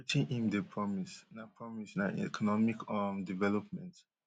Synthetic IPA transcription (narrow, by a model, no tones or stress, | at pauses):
ut͡ʃĩʔĩmdepʰɹɔmisnapʰɹɔmisnaɛ̰kʰɔnɔmikɔmdivɛlɔpmɛ̃nt